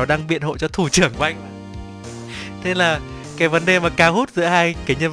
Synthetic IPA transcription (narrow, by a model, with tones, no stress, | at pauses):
ɗaː˧ŋɓḭ˧˨ənho̰˧˨jt͡ɕɔ˧t̪ʰu˧˩t͡ɕɨ˧˩əŋkjŋ̟˧˦ | t̪ʰe˧laː˨˩ | kaː˨˦jvə˨˦nɗe˨˩maː˨˩kaː˨˦whu˦˥t̚zɨ̰˧˥əhaː˧jkaː˨˦jɲə˧n